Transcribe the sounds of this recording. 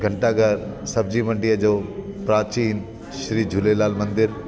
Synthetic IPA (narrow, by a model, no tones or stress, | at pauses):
ɡʱɐɳʈaɡʱɐɾsɐbd͡ʑiːmɐ̃ɳɖijəd͡ʒoːpɾaːt͡ʃiːn | ʃɾiːd͡ʒʱulelaːlmɐ̃nd̪ɪɾ